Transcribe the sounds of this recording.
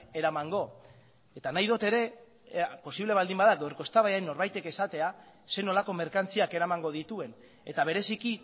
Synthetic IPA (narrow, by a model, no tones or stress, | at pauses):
e̞ɾamaŋɡo̞ | e̞t̪anajðo̞t̪e̞ɾe̞ | po̞siβle̞β̞ald̪imbaðaɡewɾkost̪aβajajnːo̞ɾβajt̪e̞ke̞sat̪e̞a | se̞no̞lako̞me̞ɾkant͡siake̞ɾamaŋɡo̞ð̞it̪ue̞n | e̞t̪aβ̞e̞ɾe̞siki